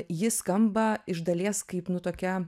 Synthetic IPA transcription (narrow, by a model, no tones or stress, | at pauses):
jɪskɐmbɐɪʒd̪ɐlʲeɛskɐɪpnʊt̪oːkʲɛ